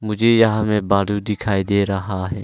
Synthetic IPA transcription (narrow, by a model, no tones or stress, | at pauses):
mʊd͡ʒʱejɐɦãmẽbaːɽud̪ɪkʰaːid̪eːɾəɦaɦɛː